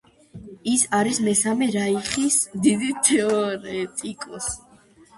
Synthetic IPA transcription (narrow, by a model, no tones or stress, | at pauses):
isaɾismɛsamɛɾaiχisd̪id̪it̪ʰɛɔɔɾɛt̪ʼikʼɔs